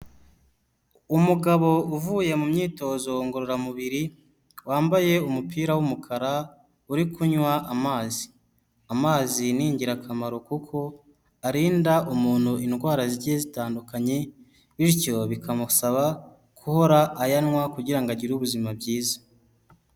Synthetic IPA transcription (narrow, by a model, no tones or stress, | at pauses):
umuɡaβo̞uvuːje̞mumɲiːto̞ːzo̞ŋɡoɾoɾamuβiɾi | waːmbaje̞umupiːɾawumukʰaɾa | uɾikuɲwaʔamaːzi | amaːziniːɲɟiɾakʰamaɾo̞kukʰo̞ | aɾiːndaʔumuːn̥huinɡwaːɾaziɾɟezitaːndukaɲe̞ | βiɾco̞βikʰamusaβa | kʰuho̞ɾaʔːjanwakuɟiɾaŋɡaɟiɾuβuzimabɟiːzḁ